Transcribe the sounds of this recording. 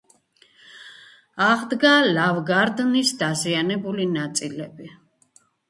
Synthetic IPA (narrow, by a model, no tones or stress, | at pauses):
aʁd̪ɡalavɡaɾd̪nisd̪azianɛbulinat̪sʼilɛbi